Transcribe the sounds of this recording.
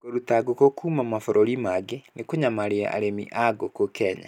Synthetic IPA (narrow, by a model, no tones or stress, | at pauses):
koɾutaɡokokumamafɔɾʔoɾimaɡenekoɲamaɾea̰ʔa̰ɾemḭʔaɡokokɛːɲa̰